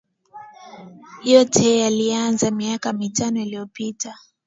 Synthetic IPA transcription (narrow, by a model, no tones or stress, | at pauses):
hijɔtʰɛalianzamiakamitanɔiliɔpita